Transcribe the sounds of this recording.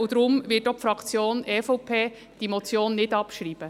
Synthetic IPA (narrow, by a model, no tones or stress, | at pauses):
ud̪ɾʊmvɪtːopfɾɑkt͡sjoːnɛːfɔpʰeː | d̥imot͡sjoːnːɪdɑpʃɾiːb̥ə